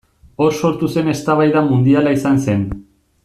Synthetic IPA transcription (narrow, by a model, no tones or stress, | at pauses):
o̞ɾso̞ɾt̪use̞ne̞st̪aβajðamund̪ialaisanse̞n